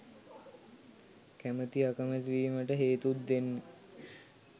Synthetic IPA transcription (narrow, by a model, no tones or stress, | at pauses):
kæmət̪iakəmət̪ʋiːməʈəɦeːt̪ut̪̚d̪enːe